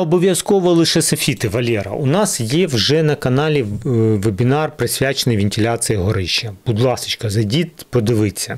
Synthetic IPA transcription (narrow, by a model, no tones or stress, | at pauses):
ɔbɔʋʲjɐskɔʋɔlˠɪʃɛsɐfʲit̪ɪʋɐlʲɛɾɐ̰unɑsjɛwʒɛnɐkɐnɑlʲiʋebʲɪnɑrpɾɪsʲʋʲat͡ʃenɪjʋʲɪnʲtʲɪlʲasɨjɐɦɔɾɪʃɐb̥ud̪lˠɑsɪ̥t͡ʃkɐzɐjdʲit̪ʲpɔd̪ɪʋɪt͡sʲːɐ